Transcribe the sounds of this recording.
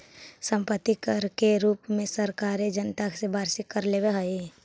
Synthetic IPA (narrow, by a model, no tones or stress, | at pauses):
sə̃mpət̪ːikəɾkeɾuːpmẽsəɾkaːɾed͡ʒənt̪aksebaːɾsɪkːəɾleːbeɦəi